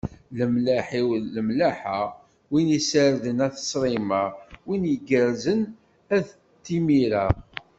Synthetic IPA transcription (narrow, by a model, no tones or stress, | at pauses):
ləmlæħiwləmlæħa | winisəɾðənæθə̥sˤɾˤimawinjəɡəɾzən | æð | t̪ːimiɾa